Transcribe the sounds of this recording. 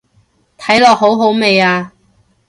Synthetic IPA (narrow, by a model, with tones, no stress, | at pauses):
t̪ʰɐ˨˥jlɔː˨k̚ɦo˨˥wɦo˨˥wme˨˧jaː˧